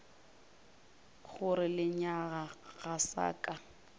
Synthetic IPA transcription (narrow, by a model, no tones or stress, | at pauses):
ɣʊɾɪlɪɲaɣaɣasa̰ːkʼa